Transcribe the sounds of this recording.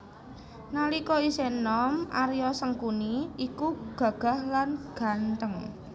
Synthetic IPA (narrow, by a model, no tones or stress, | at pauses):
nalikɔisenɔmʔa̰ɾijɔsəŋkuniikuɡ̥ä̤ɡ̥a̤hlanɡ̥a̤nt̪əŋ